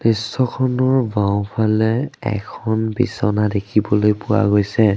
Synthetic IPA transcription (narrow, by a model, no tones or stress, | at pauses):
nisːɔkʰɔnɔɹbaʊ̃pʰalɛɛ̰kʰɔnbḭsɔnadekʰibɔlojpʊwa̰ɡojsɛ